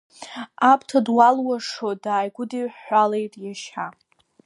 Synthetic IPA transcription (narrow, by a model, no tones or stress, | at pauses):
apʼʰtʰadwalwaʂodaːjɡʷʊdiħʷalejtʼjaʃa